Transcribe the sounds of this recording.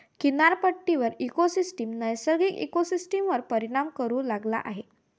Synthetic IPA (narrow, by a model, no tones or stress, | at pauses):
kinaɾpəʈːiʋəɾikosisʈimnəjsəɾɡiːkḭkosisʈimʋəɾpəɾiɽ̃amkəɾuːlaɡla̰ʔaɦe